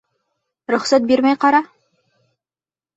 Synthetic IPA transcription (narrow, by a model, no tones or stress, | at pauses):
ɾɵ̆χsæt̪̚biɾmæjqɑɾɑ